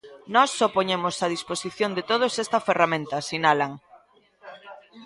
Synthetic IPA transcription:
nɔsːɔpoɲemʊsað̞isposiθjond̪et̪oð̞osest̪ɐferamẽnt̪ɐsinalaŋ

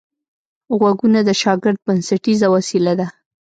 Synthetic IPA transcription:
ɣwaɡunad̪əʃɑɡɪɾd̪̚bansaʈizawasilad̪a

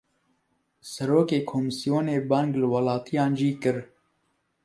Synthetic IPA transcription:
sɐɾoːkeːkʰoːmɨsijoːneːbɑːŋɡlɨwɐlɑːt̪ʰijɑːnʒiːkɨɾ

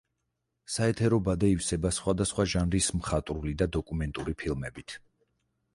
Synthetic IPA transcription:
saɛt̪ʰɛɾɔbad̪ɛifsɛbasχwad̪asχwaʒanɾismχat̪ʼɾulid̪ad̪ɔkʼumɛnt̪ʼuɾipʰilˠmɛbit̪ʰ

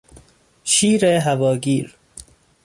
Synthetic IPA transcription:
ʃiːɾeɦavɒːɡiːɾ

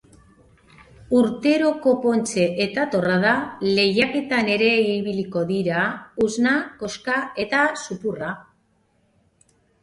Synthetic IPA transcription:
uɾt̪e̞ɾo̞ko̞po̞nt͡ʃe̞ʔet̪at̪o̞rað̞ale̞jake̞t̪ane̞ɾe̞iβiliko̞ðiɾauznako̞skae̞t̪asupura

